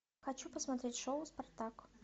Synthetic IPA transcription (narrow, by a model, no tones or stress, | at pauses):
xɐt͡ɕupəsmɐt̪ɾʲetʲʂoʊspɐrt̪ak